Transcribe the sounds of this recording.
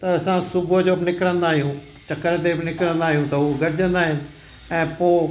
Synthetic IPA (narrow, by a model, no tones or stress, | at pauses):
t̪ɐɐsãsʊbəd͡ʑoːbɪnɪkɾə̃nd̪aːɦijũ | t͡ɕɐkəɾt̪ebɪnɪkɾə̃nd̪aːɦijũt̪ɐɦuɡɐɾɪd͡ʑə̃nd̪aːɦɪnɪ̆ | ɛ̃ːpoː